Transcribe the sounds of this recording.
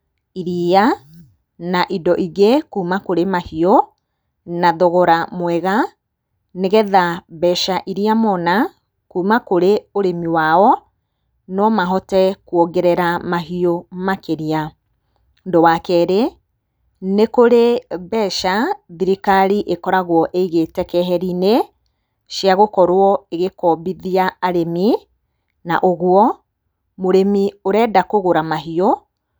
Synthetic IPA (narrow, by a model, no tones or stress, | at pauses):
iɾia | naʔidɔʔiɣekuːmakoɾemahio | naðoɣɔɾamwɛɣa | neɣɛðabɛʃaʔiɾiamɔna | kuːmakoɾeoɾemiwaɔ | nɔmaɦɔtɛkwoɡɛɾɛɾamaɦiomakeɾia | ndowakɛɾe | nekoɾebɛʃaðiɾikaɾiʔekɔɾaɣwɔʔeiɣetɛkɛɦɛɾine | ʃjaɣokɔɾwɔeɣekɔbiðiaaɾemi | na̰ʔoɣwɔ | moɾemioɾɛːdakoɣoɾamaɦio